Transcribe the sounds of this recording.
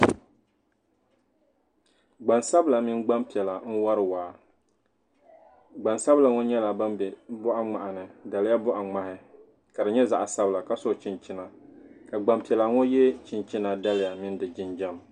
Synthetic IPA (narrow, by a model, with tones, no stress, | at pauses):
ɡ͡ba˨nsa˦bla˨mɪ˦nɡ͡ba˦mpi˨ɛ˨la˨ŋ̩˦wa˦ɾɨ˨waː˨ | ɡ͡ba˨nsa˦bla˨ŋɔ˦ɲɛ˦la˨ba˦mbɛ˨bʊ˦ʔa˦ŋ͡ma˨ʔa˨nɨ˨da˨lɪ˦ja˦bʊ˦ʔa˨ŋ͡ma˦hɪ˦ | ka˨dɨ˨ɲɛ˦za˨ʔa˨sa˦bla˨ka˦sʊ˦˨t͡ʃɪ˦nt͡ʃɪ˦na˨ka˨ɡ͡ba˦mpi˨ɛ˨la˨ŋɔ˦jɛ˦t͡ʃɪ˦nt͡ʃɪ˦na˨da˦lɪ˨ja˨mɪ˦n˦dɨ˨d͡ʒɪ˦nd͡ʒɛ˦m˨